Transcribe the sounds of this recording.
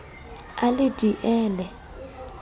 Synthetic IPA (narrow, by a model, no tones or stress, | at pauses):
alid̥ʱiʔɛːlɛ